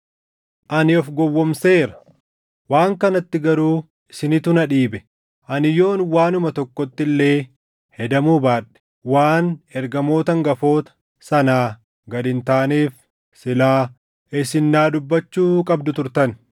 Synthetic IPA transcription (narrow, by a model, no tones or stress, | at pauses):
ʔɐnɪɔfɡɔwːɔmse̞ːɾɐ̥ | waːŋkɐnɐt̪ːɪɡɐɾuː | ɪsɪnɪt̪ʊnɐᶑiːbɛ | ʔɐnɪjo̞ːnwaːnʊmɐt̪ɔkːɔt̪ːɪlːe̞ː | hɛd̪ɐmuːbaːᶑɛ̥ | waːnɛɾɡɐmo̞ːt̪ɐŋɡɐfo̞ːt̪ɐ̥ | sɐnaː | ɡɐd̪ɪnt̪aːniːf | sɪlaː | ɪsɪnːaːd̪ʊbːɐt͡ʃːuːkʼɐbd̪ʊt̪ʊɾt̪ɐn